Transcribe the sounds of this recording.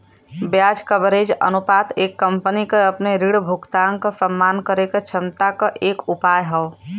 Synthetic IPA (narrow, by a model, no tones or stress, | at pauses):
bjad͡ʒkəbɾed͡ʒə̰nupaːt̪eːkːə̃mpənikeəpneɾiɽbʱukt̪aŋkəsəmːankəɾeket͡ʃʰəmt̪akəʔeːkupaːjɦəʊ